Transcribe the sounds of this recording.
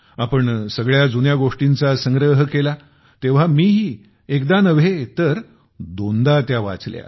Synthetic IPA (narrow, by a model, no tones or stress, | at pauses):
apəɳsəɡɭjad͡zunjaɡoʂʈint͡sasəŋɡɾəɦəkela | t̪eʋ̤amiːɦiː | ekd̪anəʋ̤et̪əɾ | d̪ond̪at̪jaʋa̰t͡slja̰